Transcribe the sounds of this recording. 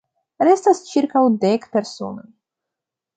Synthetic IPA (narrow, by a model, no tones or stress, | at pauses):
ɾe̞stast͡ʃiɾkawdekpe̞ɾso̞̰no̰j